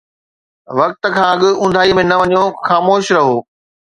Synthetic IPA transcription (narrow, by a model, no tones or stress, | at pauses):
ʋɐk̚t̪ə̆kʰãːɐɠʊ̆ʊ̃nd̪ʱaːimẽnɐʋɐɲijoxaːmoːʃɾɐɦoː